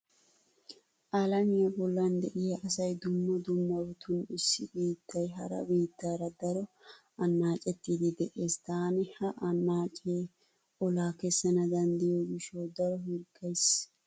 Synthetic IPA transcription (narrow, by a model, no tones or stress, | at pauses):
ʔalɐnɪjɐbɔlːɐnd̪ɛʔɪjɐʔɐsɐjd̪ʊmːɐd̪ʊmːɐbɔt̪ʊnɪsːɪbiːt̪ːɐjɦɐɾɐ̰biːt̪ːaːɾɐd̪ɐɾɔ | ɐnːaːt͡ʃʼɛt̪ːiːd̪ɪd̪ɛʔeːst̪aːnɛhɐʔɐnːaːt͡ʃʼe | ɔlaːkɛsːɐnɐd̪ɐnd̪ɪjoɡɪʃoːd̪ɐɾɔɦɪɾkːɐjs